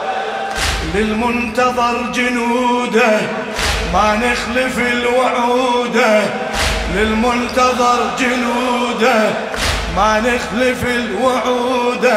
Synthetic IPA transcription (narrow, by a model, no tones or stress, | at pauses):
lɪlmʊnt̪ɑðˤɑɾˤd͡ʒʊnuːd̪a | manɪxlɪfɪlwaʕuːd̪a | lɪlmʊnt̪ɑðˤɑɾˤd͡ʒʊnuːd̪a | manɪxlɪfɪlwaʕuːd̪a